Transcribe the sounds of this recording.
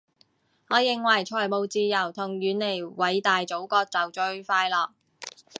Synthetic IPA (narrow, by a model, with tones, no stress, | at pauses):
hɔː˨˧˥jɪ˨ŋwɐ˨˩jt͡ʃʰɔː˨˩jmo˨wt͡siː˧jɐ˨˩wt̪ʰʊ˨˩ŋjyː˨˧nle˨˩jwɐ˨˧jt̪aː˨jt͡so˨˥wkɔː˧k̚t͡sɐ˨wt͡ʃɵ˧ɥfaː˧jlɔː˨k̚